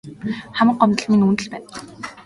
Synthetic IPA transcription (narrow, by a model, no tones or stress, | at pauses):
χamə̆qːɔmt̪ə̆ɮmiŋuːnt̪ə̆ɮpæːn